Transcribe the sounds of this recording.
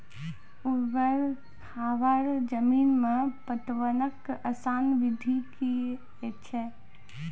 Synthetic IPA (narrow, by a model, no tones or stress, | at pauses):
ubəɾ | kʰaʋaɾd͡ʒəmiːnmepət̪ʋənəkəsaːnʋid̪ʱiki | ɛt͡ʃʰɛ